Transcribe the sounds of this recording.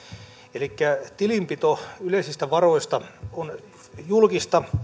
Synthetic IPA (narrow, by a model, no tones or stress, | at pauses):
elikːæt̪ilimpit̪oyleisist̪æʋɑroist̪ɑon | julkist̪ɑ